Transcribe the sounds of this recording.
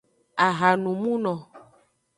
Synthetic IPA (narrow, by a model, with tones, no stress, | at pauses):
a˨ɣa˨nũ˨mũ˦nɔ̃˨